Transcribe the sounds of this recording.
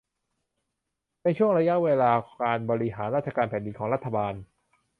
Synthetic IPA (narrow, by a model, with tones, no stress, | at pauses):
na˧jt͡ɕʰu˥˩əŋɾa˧ja˦˥ʔweː˧laː˧kaː˧nbɔː˧ɾi˦˥ɦaː˩˦nɾaː˥˩t͡ɕa˧kaː˧npʰɛː˩˦ndi˧nkʰɔː˩˦ŋɾa˥t̪ʰːa˧baː˧n